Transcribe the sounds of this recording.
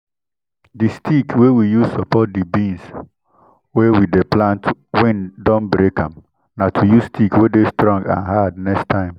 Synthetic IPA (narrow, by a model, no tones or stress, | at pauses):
distʰikwewijuzsɔpɔt̚dibĩns | wewideplãntwɛ̃ndɔ̃nbɾekãm | natʰujusstʰikwedestɾɔ̃ŋɡã̰nɦadnɛkstʰãɪ̃m